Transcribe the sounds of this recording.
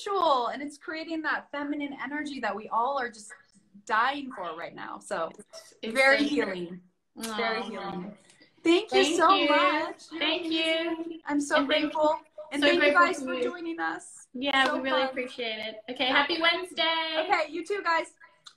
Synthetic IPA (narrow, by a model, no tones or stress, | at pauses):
t͡ʃul̩ˠɨ̃nɨtskʰɹ̥ieɪɾɪ̃ŋðətfɛmɨnɨ̃nɛnə˞d͡ʒiðɨt̚wiʔɔlˠə˞d͡ʒʌs | d̥aɪɪ̃ŋfə˞ɹa̰ɪtⁿna̰ʊsoʊ | vɛɹihilˠɪ̃ŋ | vɛɹihilˠɪ̃ŋ | θæ̃ŋkjɨsoʊmʌt͡ʃθæ̃ŋkjʉʔãɪ̃msoʊɡɹeɪtfl̩ˠɨ̃nɨ̃ɡaɪzə˞duɪ̃ŋɪ̃ŋʌs | jæwiɹɪlˠiɨpʰɹ̥iʃieɪɾɪt̚oʊkʰeɪhæpiwɛ̃nzdeɪoʊkeɪjɨtʰʉɡaɪz̥